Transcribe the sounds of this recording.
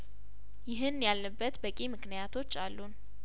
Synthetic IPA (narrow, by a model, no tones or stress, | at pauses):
jɪɦɨnjalːəbːət̪bəkʼimɨknijat̪ʰo̞t͡ʃːalːun